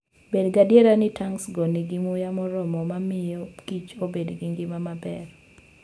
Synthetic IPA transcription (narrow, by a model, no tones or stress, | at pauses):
bedɡadeɾanɪtaŋsɡɔnɪɡimʊjamɔɾɔmɔmamɪjɔkit͡ʃobedɡiŋɡɪmamabɛ̰r